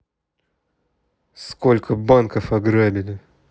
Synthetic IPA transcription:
skolʲkəbankəfɐɡɾabʲɪlʲɪ

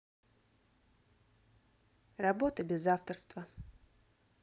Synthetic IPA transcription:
rɐbo̞t̪əbʲɪzaft̪ərst̪və

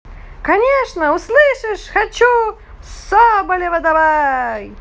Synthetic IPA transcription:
kɐnʲeʂnəʊslˠɨʂɨʂxɐt͡ɕu | sɔbəlʲevɐd̪ɐbaj

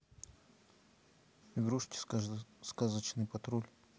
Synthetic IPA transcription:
ɪɡɾuʂtʲɪ̥skazət͡ɕnɨjpɐt̪ɾulʲ

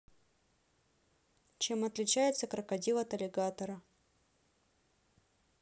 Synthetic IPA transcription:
t͡ɕemɐt̪lʲɪt͡ɕæjɪt̪səkɾəkɐdʲilˠət̪ɐlʲɪɡat̪əɾə

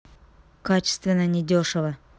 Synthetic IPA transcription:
kat͡ɕɪ̥st̪vʲɪnːənʲɪd̪ʲoʂəvə

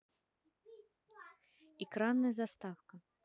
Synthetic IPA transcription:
ikɾanːɐjzast̪awkɐ

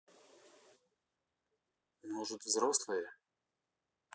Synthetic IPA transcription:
nuʐɨt̪vzɾoslˠəjə

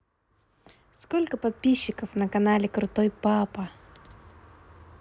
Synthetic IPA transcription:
skolʲkəpɐt̪̚pʲiɕːɪkəfnɐkɐnalʲɪkɾʊt̪ojpapɐ

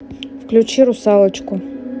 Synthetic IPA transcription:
fklʲʊt͡ɕiɾʊsalˠət͡ɕkʊ

